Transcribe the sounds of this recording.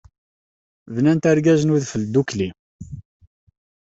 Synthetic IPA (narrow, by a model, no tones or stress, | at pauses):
vnænt̪aɾɡæzənuðfəld̪ːukli